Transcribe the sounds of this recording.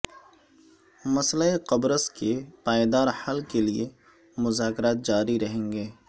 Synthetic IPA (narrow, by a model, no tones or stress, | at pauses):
mɐsləeqɐbɾəskepaːed̪aːɾhɐlkelie | mʊzaːkɾaːt̪̚d͡ʒaːɾiɾɐɦẽːŋɡeː